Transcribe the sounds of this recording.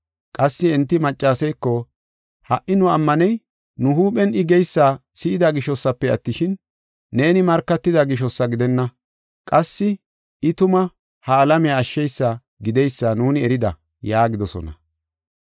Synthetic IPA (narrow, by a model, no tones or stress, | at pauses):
kʼɐsːɪɛnt̪ːɪmɐt͡ʃʼːaːsɛjkːɔ | hɐʔːɪnʊɐmːɐnɛj | nʊɦuːpɛnɪɡɛjsːaːsɪʔɪd̪aɡɪʃɔsːɐpːɛɐt̪ːɪʃɪnː | e̞ːnɪmɐɾkːɐt̪ːɪd̪ɐɡɪʃɔsːɐɡɪd̪ɛnːɐ | kʼɐsːɪ | ɪt̪ʊmɐ | hɐːlɐmɪjaːʃːɛjsːa | ɡɪd̪ɛjsːaːnuːnɪɛɾɪd̪ɐ̰ | jaːɡɪd̪ɔsɔ̰nɐ̰